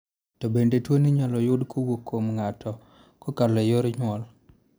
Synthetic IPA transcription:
tɔbendetwoniɲalɔjʊdkʰɔwokʰːomŋatʰɔ | kɔkalɛjoɾɲwɔl

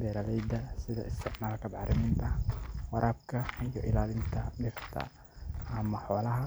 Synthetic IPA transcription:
b̪ɛːɾalɛjd̪ɐsɪðɐ̰ɪst̪ʰɪʕmaːlkʰɐbɑħɾɪmɪːnt̪ʰɐwɑɾʔaːb̚kʰɐijɔʔɪlaːlɪnt̪ʰɐɖɪrt̪ʰɐ̰ | ɐmɐħɔːlɐɦɐ

